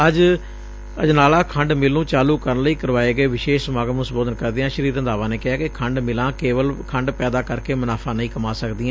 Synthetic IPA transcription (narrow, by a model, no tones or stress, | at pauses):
əd͡ʒ | əd͡ʒnaːlaːkʰəɳɖmɪlːũːt͡ʃaːluːkəɾənləiːkəɾʋaːeːɡəeːʋɪʃeːʃsmaːɡəmũsboːd̪ənkəɾd̪eːãːʃəɾiːɾə̃nd̪aːʋãːneːkɪɦaːkɪkʰəɳɖmɪlãːkeːʋəlkʰəɳɖpɛːd̪aːkəɾkeːmənaːfʰãːnəĩːkəmaːsəkd̪iːãː